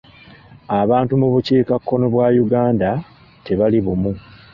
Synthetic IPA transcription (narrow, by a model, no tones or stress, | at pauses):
aβaːntumuβuciːkakːo̞no̞βwaːjuɡaːnda | te̞βaliβumu